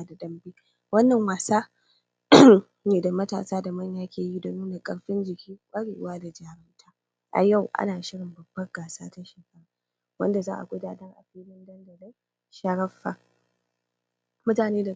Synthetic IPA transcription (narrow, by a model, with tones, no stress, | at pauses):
a˦da˨dɐ˦mbiː˦ | wɐ˦nːɐ˨ŋwaː˨saː˦ | neː˨da˨mɐ˦ta̰ː˨saː˦da˨mɐ˦ɲjaː˦kʲʰeː˨ji˦da˨nuː˦naː˨kʼɐ̰˨ɽɸɪ˦nd͡ʒɪ˨kʲʰiː˦kʷʼaː˦ɽeː˨ʔʊ˦waː˦da˨d͡ʒaː˨ɾɐ˦ntʰaː˦ | ʔa̰˨ja˦˨wʔa̰˦naː˨ʃɪ˦ɽɪ˨mbɐ˨b̥ːɐ˦ɡaː˨saː˦ta˦ʃeː˨kɐ˦ɾaː˨ | wɐ̰˦nda˨zaː˦ʔa̰˨ɡʷʊ˦daː˦dɐ˦ŋʔa̰˨ɸiː˦lɪ˦ndɐ˦ndɐ˨da˦j | ʃɐ˨˦ɽɐ˦fːaː˨ | mʊ˦taː˨neː˦da˨